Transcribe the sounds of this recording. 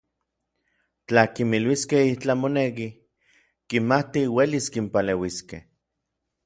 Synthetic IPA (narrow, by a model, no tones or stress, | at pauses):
t͡ɬakimilwiskehit͡ɬamonek̬i | kimat̪iweliskimpalewiskḛh